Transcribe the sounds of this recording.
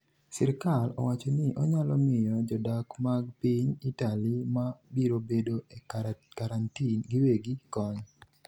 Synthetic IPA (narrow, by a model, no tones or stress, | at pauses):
sɪɾkalɔ̰wat͡ʃonɪʔɔɲalɔmɪjɔd͡ʒɔdakmaɡ̚piɲitalimabiɾobedoekaɾantinɡiweɡikɔɲ